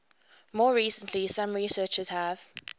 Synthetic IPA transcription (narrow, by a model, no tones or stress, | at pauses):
mɔːɹiːsə̃nʰlisãmɹisɜːˑt͡ʃəz̥həv̥